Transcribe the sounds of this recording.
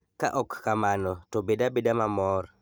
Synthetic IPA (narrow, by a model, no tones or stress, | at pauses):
ka̰ʔɔkːamanɔtɔbedabedamamɔɾ